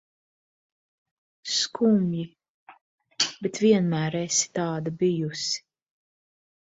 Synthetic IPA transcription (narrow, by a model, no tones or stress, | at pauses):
skʰumji | bet̪vʲiɛnmæːɾesi̥t̪aːd̪abijusi̥